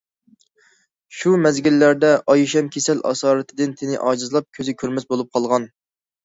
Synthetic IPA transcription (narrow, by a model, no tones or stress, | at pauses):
ʃumɛzɡʲilːæɾd̪ɛʔɑjuʃɛmkʲʰesɛlʔɑ̰sɑːɾɨt̪ʰɪd̪ɪnt̪ʰɪnɪʔɑːd͡ʒɨzɨlˠɑp̚kʲʰøzɪkʲʰøɾmɛsbolˠup̚qʰɑlˠʁɑn